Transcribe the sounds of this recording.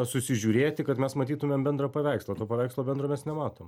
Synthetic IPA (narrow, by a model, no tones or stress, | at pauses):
ɐsʊsʲɪʒʲuːɾʲeːt̪ʲɪkɐt̪mʲɛsmɐt̪ʲiːt̪ʊmʲɛmbʲɛnd̪ɾɐpɐʋʲɛˑɪkslˠɐːt̪oːpɐʋɛˑɪkslˠoːbʲɛnd̪ɾoːmʲɛsnʲɛmɑːt̪oːm